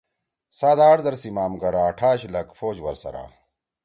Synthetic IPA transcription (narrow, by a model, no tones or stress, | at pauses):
saːd̪aːɾzɐɾsimaːmɡɐɾaːʈʰaːɕlɐkfoːd͡ʑwɐɾsɐ̰ɾa̰ː